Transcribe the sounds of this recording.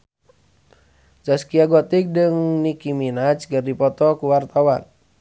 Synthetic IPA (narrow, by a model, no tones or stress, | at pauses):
d͡ʒaskiaɡɔt̪ik̚dəŋnikiminat͡ʃkərdipɔt̪ɔkuwart̪awan